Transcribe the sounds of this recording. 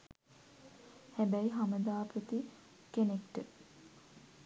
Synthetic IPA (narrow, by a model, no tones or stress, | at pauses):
hæbæiɦaməd̪aːpət̪i | kenekʈə